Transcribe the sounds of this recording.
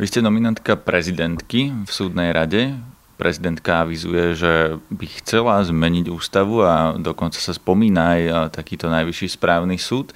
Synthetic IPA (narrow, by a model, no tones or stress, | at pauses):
ʋiscɛnɔminant̪kapɾɛzid̪ɛnt̪kifsuːd̪nɛjɾaɟɛ | pɾʔɛzid̪ɛnt̪kaaʋizṵjɛʒɛbixt͡sɛlazmɛɲiɟuːst̪aʋuad̪ɔkɔnt͡sḁsaspɔmiːnajt̪akiːt̪ɔnajʋiʃiːspɾaːʊnisuːt̪